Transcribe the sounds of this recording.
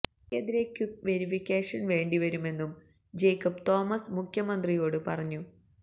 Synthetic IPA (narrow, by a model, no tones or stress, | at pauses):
eðiɾekjuk̚ʋe̞ɾifikʲːeːʂɐnʋe̞ːɳɖiʋɐɾume̞nːum | d͡ʑe̞jkːɐpt̪o̞ːmɐsmukʰjɐmɐnd̪rijo̞ːɽɨpɐrɐɲːu